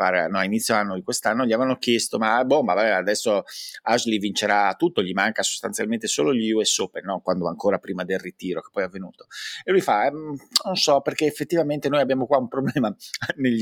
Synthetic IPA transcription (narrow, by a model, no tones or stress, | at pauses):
aːɾea̰nɔalinit̪sːjoanːod̪ikwest̪anːoʎiavevanːok̟jest̪omabombavabɛad̪ɛsːoaʒlivint͡ʃeɾat̪ːut̪ːoʎimaŋkaso̥st̪a̰nsjalment̪esoːloʎiuɛsːopenːɔŋkwand̪oaŋkoːɾapɾiːmad̪elrit̪iːɾoke̥pːɔjavːenṵːt̪o̥elujfaɛnonsɔperkeːefːet̪ːivament̪enojabjaːmokwaumpɾoblɛːmaneʎː